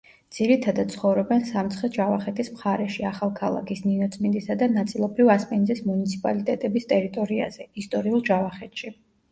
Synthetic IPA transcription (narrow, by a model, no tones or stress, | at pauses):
d̪z̥iɾit̪ʰad̪at̪sʰχɔvɾɔbɛnsamt̪sʰχɛd͡ʒavaχɛt̪ʰismχaɾɛʃiaχalˠkʰalˠa̰kʰisninɔt̪sʼmind̪isad̪anat̪sʼilˠɔbɾivaspʼɛnzismunit̪sʰi̥pʼa̰lit̪ʼɛt̪ʼɛbist̪ʼɛɾit̪ʼɔɾia̰z̥ɛist̪ʼɔɾiulˠd͡ʒavaχɛt̪ʃi